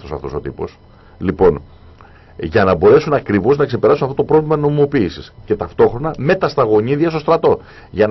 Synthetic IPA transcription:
osɐ̰ft̪o̞so̞t̪ipo̞̰s | lipo̞n | ʝɐnɐbo̞ɾe̞sunɐkɾivo̞znɐkse̞pe̞ɾɐsunɐft̪ot̪pɾovlimɐno̞mimo̞piːsisce̞t̪ɐft̪o̞xɾo̞nɐme̞t̪ɐst̪ɐɣo̞ɲiðiɐst̪o̞st̪ɾɐt̪o̞ | ʝɐn

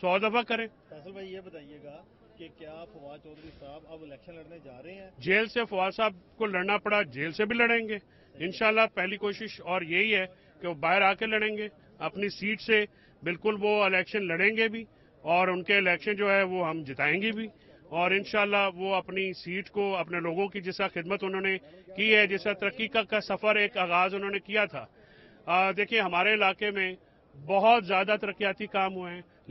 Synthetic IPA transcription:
sɔːd̪ɐfʰakɐɾẽː | fɛːsəlbaːijebɐt̪aːijeːɡaː | kekjaːfɐʋaːt͡ʃɔːd̪ɾisaːbɐbɪlɛːkʃənlɐɽned͡ʒaːɾɐɦeɛ̃ːd͡ʒeːlsefɐʋaːsaːbkolɐɽnapɐɽad͡ʒeːlsebʱilɐɽẽːŋɡeː | ɪnʃaːlːapɛɦlikoːʃɪʃɔːɾjeɦiɦɛ | keobaːɦɪɾaːkelɐɽẽːŋɡeː | ɐpnisiːʈse | bɪlkʊlʋoɪlɛːkʃənlɐɽẽːŋɡebʱiː | ɔːɾʊnkeɪlɛːkʃənd͡ʒoːɦɛʋoɦɐmd͡ʒɪt̪aːẽːŋɡebʱi | ɔːɾɪnʃaːlːaʋoɐpnisiːʈkoɐpneloːɡõkid͡ʒɪsɾaxɪd̪mət̪ʊn̤ɦõnekiɦɛd͡ʒɪsat̪ɐɾəkːikakasɐfəɾeːkaːɣaːzʊnɦõːnekijat̪ʰa̰ː | d̪eːkʰiẽɦɐmaːɾeɪlaːkemẽ | bɔɦʊt̪zjaːd̪at̪ɐɾəkːijaːt̪ikaːmɦueɦɛ̃

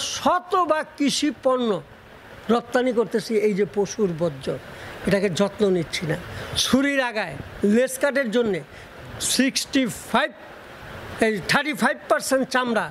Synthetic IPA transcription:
ʃɔt̪obakit͡ɕʰipɔɾnːo | ɾɔt̪ːanikoɾt̪et͡ɕʰiejd͡ʑepoʃuɾbɔdd͡ʑoeʈaked͡ʑɔt̪nonitːt͡ɕʰinaʃuɾiɾaɡaeleskaʈeɾd͡ʑonːe | siksʈipʰab̚ | eʈʰaɾʈipʰajb̚paɾsenʈ̚t͡ɕamɾa

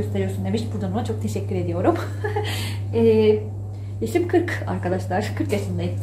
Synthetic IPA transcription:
øst̪eɾijo̞ɾsund̪e̞miʃbuɾd̪anonut͡ʃʰo̞k̚t̪ʰe̞ʃɛcʲːyɾe̞d̪ijo̞ɾum | ɛ | jaʃimkʰɯɾka̰ɾkad̪aʃlˠaɾ̥kʰɯɾkjaʃɯnlˠajɯ

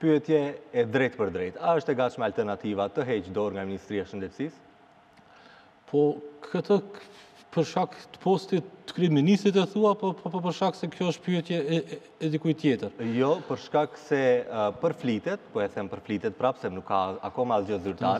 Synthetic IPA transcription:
pyɛt̪jɛɛd̪ɾɛjt̪pəɾd̪ɾɛt̪aəʃt̪ɛɡat͡ʃmɛalt̪ɛɾnat̪ivat̪əɦɛt͡ʃd̪ɔɾŋɡaminist̪ɾiaʃənd̪ɛt̪sis | pʰɔkʰət̪ʰə | pəɾʃkakt̪ə̥pɔst̪iə̥kɾiminist̪ɾit̪̬ɛθuapɔpʰɔpɔp̬əɾʃkaksɛkjɔəʃt̪pyɛt̪jɛː | d̪ikujt̪jɛt̪əɾjɔpəɾʃkaksɛpəɾflit̪ɛt̪pɔɛθɛmpəɾflit̪ɛt̪̚pɾapsɛnukːaakɔmazd͡ʒɔzyɾt̪aɾɛ

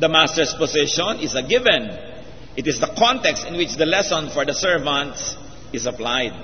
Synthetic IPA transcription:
d̪ɐmast̪ɛɹspɔsɪʃɔ̃nɪsɐɡɪvɛ̃n | ʔɪt̪ɪsd̪ɐkʰɔ̃nt̪ɛkst̪ɪ̃nwɪt͡ʃd̪ɐlɛsɔ̃nfɔɹd̪ɐsɛɹvãnt̪s | ɪsɐplajd̪̚

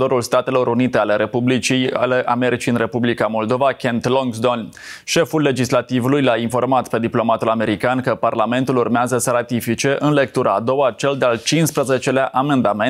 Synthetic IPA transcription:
d̪o̞ɾulst̪at̪e̞lo̞ɾunit̪e̞ale̞ɾe̞publit͡ʃija̰leʔame̞ɾit͡ʃijɨnre̞publikamo̞ld̪o̞vakʲent̪loŋɡsd̪on | ʃe̞fulːe̞d͡ʒislat̪ivulujlainfo̞rmat̪pe̞d̪iplo̞mat̪ulame̞ɾikankəparlame̞nt̪ulurmeazəsəɾat̪ifit͡ʃe̞ʔɨnle̞kt̪uɾʔaːd̪o̞wat͡ʃe̞ld̪ealt͡ʃinspɾəze̞t͡ʃe̞leaʔame̞nd̪ame

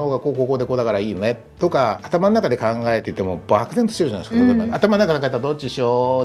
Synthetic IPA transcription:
ho̞ːɡako̞ːko̞ːkoːd̪e̞ko̞ːd̪akaɾaiːjone̞ | t̪o̞kaːt̪amanonakad̪e̞kãŋɡae̞t̪ei̟t̪ːe̞mo̞bakɯ̟t̪ent̪o̥ɕt̪eɯ̟anaiskaoaat̪amanonakad̪akaet̪ːad̪o̞t͡ɕiɕoː

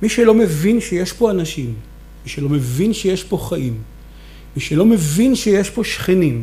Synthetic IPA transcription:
miʃelo̞me̞vinʃeje̞ʃpo̞anaʃimː | iʃelo̞me̞vinʃeje̞ʃpo̞χaʔimː | iʃelo̞me̞vinʃeje̞ʃpo̞ʃχenim

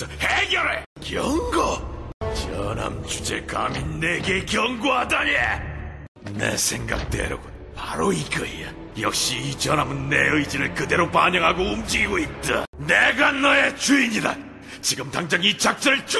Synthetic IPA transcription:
ʌheɡʲjʌɾe | kjʌŋɡot͡ɕʌna̰mt͡ɕud͡ʑe̞̰ka̰mjinːeɡe̞kjʌŋɡoɦadaɲie | nḛsʰe̞ŋɡa̰k̚t͈we̞̰ɾaɡo | paɾoikɯia | jʌ̰k̚ɕ͈iit͡ɕʌnamɯnːeɯid͡ʑiɾɯɭkɯde̞ɾopaɲʌŋɦaɡoumd͡ʑiɡiɡoit̚t͈aneɡanʌet͡ɕuiɲida̰ | t͡ɕiɡɯmtaŋd͡ʑaŋit͡ɕak̚t͡ɕ͈ʌɾɯɭt͡ɕ

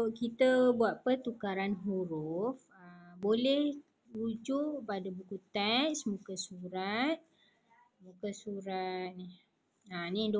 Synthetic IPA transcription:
kit̪əbuat̪̚pət̪ukaɾanɦuɾʊf | əbolɛh | ud͡ʒuʔpadəbukut̪ɛsmukəsuɾat̪̚ | mũkəsuɾat̪̚nih | anĩd

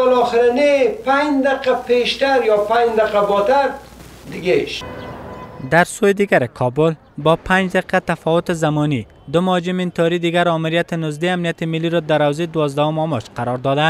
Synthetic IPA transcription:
ɪlɔːxɪɾanepaɲd̪aqapeʃt̪aɾjɔpad͡ʒd̪aqabɔt̪aɾ | d̪ɪɡaeʃ | d̪aɾsojɪd̪iɡaɾɪkʰɔbʊl | bɔpʰãnd͡ʒd̪aqʰat̪afɔwʊt̪ɪzamɔni | d̪ʊmɔd͡ʒɪmɪnt̪ɔɾid̪iɡaɾɔmɪɾjat̪ɪnʊzd̪eamnijat̪ɪmɪlːiɾɔd̪aɾawzed̪ʊwɔzd̪ahʊmɔmɔt͡ʃqaɾɔɾd̪ɔd̪a

